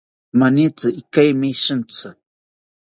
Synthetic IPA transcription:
manit͡sɨʔikajmiʃɨn̩t͡sɨ

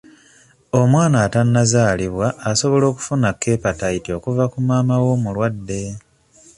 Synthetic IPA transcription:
o̞mwaːnaːtanːazaːliβwaːso̞βo̞lo̞ːku̥funakːe̞patajitio̞kuvakumaːmawo̞mulwadːe̞

